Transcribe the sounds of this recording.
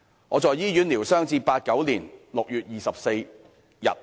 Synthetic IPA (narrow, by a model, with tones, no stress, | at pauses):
ŋɔː˨˧t͡sɔː˨jːiː˥jyː˨˥nliː˨˩wsœː˥ŋt͡siː˧paː˧t̚kɐ˨˥wliː˨˩nlʊ˨k̚jyː˨t̚jiː˨˩sɐ˨p̚se˧j | jɐ̰˨t̚